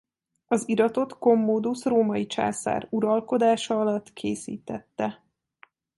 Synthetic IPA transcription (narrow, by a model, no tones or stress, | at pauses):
ɒziɾɒt̪o̞t̪ko̞mːoːd̪usroːmɒjit͡ʃa̰ːsa̰ːruɾɒlko̞d̪aːʃɒɒlɒt̪ːkʰeːsḭːt̪ɛt̪ːɛ